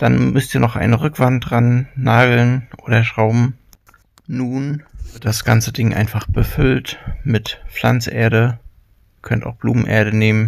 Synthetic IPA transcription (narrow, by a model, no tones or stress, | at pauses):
d̥anmʏstiːɐnɔχʔa̰ɪnəʁʏkv̥antʁanːaːɡl̩nʔoːɾɐʃʁ̥aʊbm̩ | nuːnvɪɐt̚d̥asɡ̥ant͡sədɪŋʔa̰ɪnfaχb̥əfʏltmɪtp͡fl̥a̰nt͡sʔḛːɐɾə | kʰœnta̰ʊxb̥luːmn̩ʔḛːɐɾəneːmən